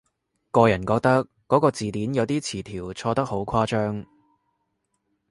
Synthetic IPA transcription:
kɔː˧jɐ˨˩nkɔː˧k̚t̪ɐ˥kːɔː˨˥kɔː˧t͡siː˨t̪iː˨˥njɐ˨˧wt̪iː˥t͡sʰiː˨˩t̪ʰiː˨˩wt͡sʰɔː˧t̪ɐ˥k̚ho˨˥wkʷʰwaː˥t͡ʃœː˥ŋ

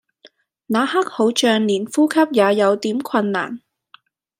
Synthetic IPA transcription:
naː˨˧ha˥k̚ho˨˥wt͡ʃœː˧ŋliː˨˩nfuː˥kʰɐ˥p̚jaː˨˧jɐ˨˧wt̪iː˨˥mkʰwɐ˧nːa̰ː˨˩n

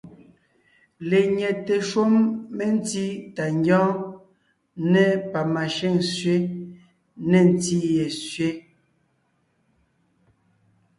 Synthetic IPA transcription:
le˨ɲɛ˨te˨ʃo˦mːe˦n̩˦ti˦ta˨ŋɡɔ̃ː˦ | nɛ˦pa˨ma˨ʃe˦˨ŋ˨sɥe˦ | ne˦˨n˦ti˦je˨sɥe˦

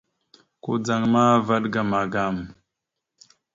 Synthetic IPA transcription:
ku˨d͡za˨ŋma˦va˦ɗɡa˦ma˨ɡa˦˨m

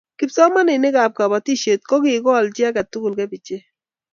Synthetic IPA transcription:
kɪ˨psɔ˦ma˦nɪ˨nɪ˦ka˨p̚ka˨ba˨ti˦ʃe˨t̚kɔ˦kɪ˨kɔ˦˨lt͡ʃɪ˦a˦ka˨tu˦kʊ˨lkɛ˦bi˨t͡ʃe˦

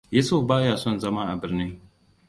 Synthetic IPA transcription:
jeː˦so˦fbaː˦jaː˨sɔ˦˨nzɐ˦ma˦ʔa˨bɪ˦rni˦

